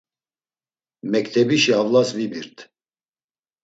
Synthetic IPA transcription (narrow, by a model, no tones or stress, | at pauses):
mɛkt̪ʰɛbiʃiavlasvibiɾt̪ʰ